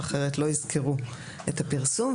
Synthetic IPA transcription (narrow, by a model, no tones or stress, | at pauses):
aχe̞ʁetlo̞izkʰeʁu | ethapiʁsum